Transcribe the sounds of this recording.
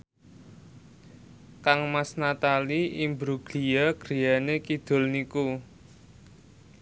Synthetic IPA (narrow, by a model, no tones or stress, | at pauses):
kaŋmasnat̪aliimbɾuɡ̥lijaɡ̥ɾi̤janekid̪̥ʊ̤lniku